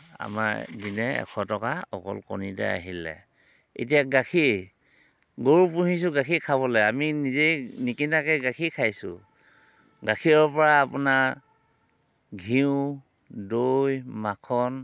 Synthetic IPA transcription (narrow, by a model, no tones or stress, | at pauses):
a̰maɹdinɛɛ̰kʰɔtɔkaɔ̰kɔ̰lkɔ̰nitɛ̰a̰ɦilɛ̰ | ḛt̬iaɡakʰi | ɡoɹupuɦis̬ʊɡakʰikʰaβɔlɛaminizenikinakɛɡakʰikʰajsʊ̰ | ɡakʰiɔpɔɹaːpuna | ɡʱiʊ̃ | dojmakʰɔn